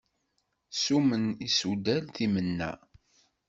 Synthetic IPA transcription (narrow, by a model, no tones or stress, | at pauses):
sumənisud̪ælθimənːæ̰